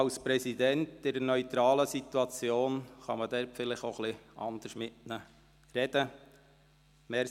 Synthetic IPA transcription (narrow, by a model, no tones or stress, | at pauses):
ɑlspɾɛsid̪ɛntdɪɾənœʏt̪ɾɑːləsit̪uɑt͡sjoːnχɑ̰məd̥̪ɛɾpfɪlɪχoχlɪɑnd̪əʃmɪʔnə | rɛd̪̥ə | mɛ